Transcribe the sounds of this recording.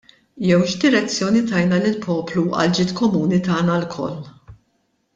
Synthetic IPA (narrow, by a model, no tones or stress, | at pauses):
jɛwʃd̪ɪɾɛt͡sːjɔːnit̪ɐjnɐlɪlpʰɔːpluʔɐ̰ld͡ʒɪːt̪kɔmuːnit̪ɐːnɐlkʰɔ̰lː